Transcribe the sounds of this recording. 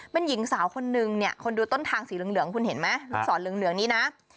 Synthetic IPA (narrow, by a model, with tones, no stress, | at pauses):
pe˧nji˨˩˦ŋsaː˩˦wkʰo˧nːɯ˨˧ŋni˥˩ɐəkʰo˧nduː˧t̪o˥˩nt̪ʰaː˧ŋsiː˨˩˦lɯ˨˩˦ŋlɯ˨˩˦əŋkʰu˧nhe˨˩˦nma˦˥˧sɔ̰ː˩˦nlɯ˨˩˦əŋlɯ˩˦əŋniː˦˥na˦˥